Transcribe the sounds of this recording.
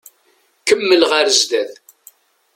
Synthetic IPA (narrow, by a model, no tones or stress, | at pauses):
kəmːəlʁaɾəzd̪æð